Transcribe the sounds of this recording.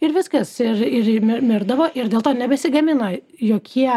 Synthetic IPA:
ɪɾʋʲɪskɐsɪrɪrmʲɪmʲɪɾd̪ɐʋoːʔɪɾdʲeːlˠt̪oːnʲɛbʲɛsʲɪɡɐmʲɪnɐ | joːkʲʰiɛ

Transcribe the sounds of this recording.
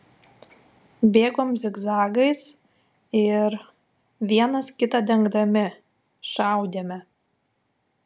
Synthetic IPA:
bʲeːɡoːmzʲɪɡzɑːɡɐɪs | ɪɾ | ʋʲiɛnɐskʲɪt̪ɑd̪ʲɛŋɡd̪ɐmʲɪ | ʃɑˑʊd̪ʲeːmʲɛ

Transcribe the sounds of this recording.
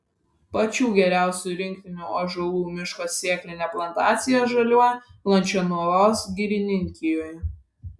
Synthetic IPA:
pɐt͡ʃʲuːɡʲɛɾʲæˑʊsʲuɾʲɪŋʲk̚t̪ʲɪnʲuːoʒɐlˠuːmʲɪʃkoːsːʲiɛklʲɪnʲɛplˠɐnt̪ɑːt̪sʲɪjɛʒɐlʲuɔjɛplˠɐnʲt͡ʃʲɛnuɔɾoːsɡʲiɾʲɪnʲɪŋʲkʲɪjoːj

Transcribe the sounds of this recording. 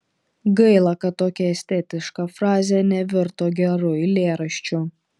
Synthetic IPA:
ɡɐɪlˠɐkɐt̪ːoːkʲɛɛsʲt̪ʲɛt̪ʲɪʃkɑfɾɑːzʲɛnʲɛʋʲɪɾt̪oːɡʲɛɾʊjlʲeːɾɐʃʲt͡ʃʲʊ

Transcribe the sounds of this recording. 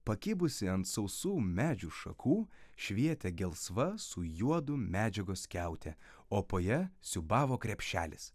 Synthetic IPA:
pɐkʲɪbʊsʲɪɐnt̪sɐʊsuːmʲæːd͡ʒʲuːʃɐ̰kʰuːʃʲʋʲiɛt̪ʲɛɡʲɛlˠsʋɐsʊjuɔd̪ʊmʲæːd͡ʒʲɛɡoskʲæˑʊt̪ʲɛ | oːpoːjɛsʲʊbɑːʋoːkɾʲɛpʲʃʲt͡ʃʲæːlʲɪs

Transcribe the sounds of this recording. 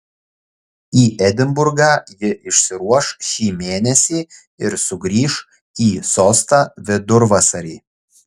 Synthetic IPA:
iːʔɛd̪ʲɪmbʊɾɡɑːjɪʔɪʃʲsʲɪɾuɔʃʃʲiːmʲeːnʲɛsʲiː | ɪɾsʊɡɾʲiːʃ | iːsoːst̪ɑːʋʲɪd̪ʊɾʋɑsɐɾʲiː

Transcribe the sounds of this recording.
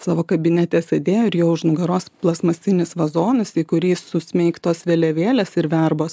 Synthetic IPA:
sɑːʋoːkɐbʲɪnʲɛt̪ʲɛsʲed̪ʲeːjoːɪɾjoːʊʒnʊɡɐɾoːsplˠɐsmɐsʲt̪ʲɪnʲɪsʋɐzoːnɐsiːkʊɾʲiːsʊsʲmʲɛɪkt̪oːsʋʲeːlʲɛʋʲeːlʲeːsɪɾʋʲɛɾboːs

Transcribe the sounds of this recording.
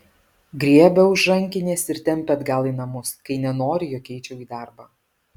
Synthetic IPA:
ɡɾʲiɛbʲɛʊʒʒɐŋʲkʲɪnʲeːsɪɾt̪ʲɛmʲpʲɛɐd̪ɡɐlˠiːnɐmʊskɐɪnʲɛnoːɾʲɪjoːkʲɛɪt͡ʃʲɛʊiːd̪ɑˑɾbɑː

